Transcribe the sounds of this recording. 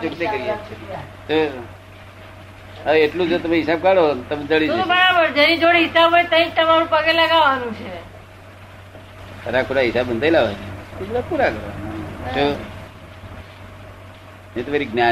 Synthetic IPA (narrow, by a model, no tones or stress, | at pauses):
t͡ʃokt̪ekəɾiet̪ʰet̪o | əeʈlũd͡zot̪əmẽɦisab̚kaɽont̪əmed͡zəɭisobəɽabəɾd͡ʒənĩd͡ʒoɽɦisabʱojt̪əĩd͡ʒt̪əmaɾũpəɡelaɡaʋanũt͡ʃʰe | əɾakʰuɽaɦisabənt̪ajilaʋad͡ʒit̪ibulapuɾakəɾa̰ad͡ʒo | et̪ʋaɾiɡna